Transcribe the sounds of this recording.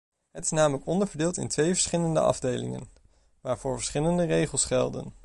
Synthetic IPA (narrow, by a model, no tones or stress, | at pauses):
ɦətɪ̥snaːmələkɔndəɹvəɹdeːlˠtɪ̰ntʋejvəɹsχɪləndə̰ʔɑ̰vdejlɪ̰ŋə̰n | ʋaːɹv̥ʊːɹvə̥sχɪləndərejχəlˠsχɛlˠdə̰n